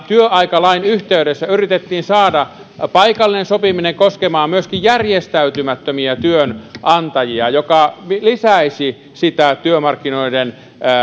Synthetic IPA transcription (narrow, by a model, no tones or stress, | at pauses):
t̪yøʔɑikɑlɑinyht̪eydesːæyrit̪et̪ːiːnsɑːdɑ | pɑikɑlːinensopimineŋkoskemɑːmmyøskijjærjest̪æyt̪ymæt̪ːømiæt̪yønʔɑnt̪ɑjiɑjokɑmilisæisi | sit̪æt̪yømɑrkːinoiden